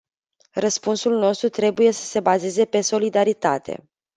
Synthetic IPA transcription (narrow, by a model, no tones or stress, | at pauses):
rəspunsulno̞st̪ɾut̪ɾe̞buje̞sə̥se̞baze̞ze̞pe̞so̞lid̪aɾit̪a̰t̪ʰe̞̰